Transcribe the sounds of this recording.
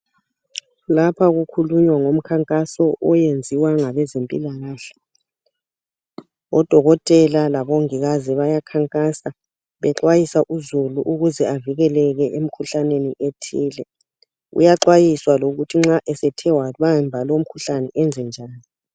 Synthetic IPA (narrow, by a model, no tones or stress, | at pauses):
lapʰaɣukʰuluɲwaŋom̩kʰaŋkʼasɔʔɔjend͡zʱiwaŋaβɛzempʼḭlaɣaːɬḁ | ɔd̥ʱɔɣɔtʼɛlalaβɔŋiɣaziβajakʰaŋkʼasa | βɛǁwajisaʔuzuluʔuɣuzɛaviɣɛlɛɣɛʔem̩kʰuɬaneniʔetʰiːlɛ | ṵjaǁwajiswaloɣutʰiŋ͡ǁaʔɛsɛtʰɛwaβaɛmbʱalwom̩kʰuɬanɛʔɛnd͡zʱɛnd͡ʒʱaːni